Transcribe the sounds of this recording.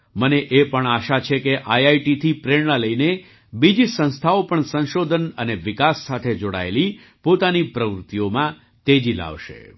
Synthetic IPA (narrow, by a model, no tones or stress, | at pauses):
məneʔepəɳaʃat͡ʃʰekeʔajajʈit̪ʰipɾeɽnaləine | bid͡ʒisə̃ñst̪ʰaopəɳsə̃nʃod̪ʱənəneʋɪkasːat̪ʰed͡ʒoɽa̰ḛli | pot̪anipɾəʋɾʊt̪ijomã | t̪ed͡ʒila̰ʋʃḛ